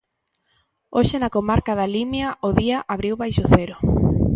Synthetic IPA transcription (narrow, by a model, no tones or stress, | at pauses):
oʃenakomaɾkaðalimjɐʔʊðiɐʔaβɾiwβajʃʊθɛɾʊ